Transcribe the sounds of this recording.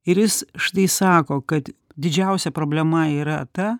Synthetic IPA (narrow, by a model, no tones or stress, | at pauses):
ɪɾjɪsʃt̪ɐɪsɑːkoːkɐt̪ | d̪ʲɪd͡ʒʲɛʊsʲɛpɾoːbʲlʲɛmɐiːɾɐt̪ɐ